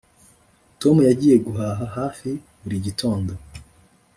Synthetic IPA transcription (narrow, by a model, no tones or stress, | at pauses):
to̞mujaɟiːje̞ɡuɦaːɦaɦaːfi | βuɾiɟitʰo̞ːndo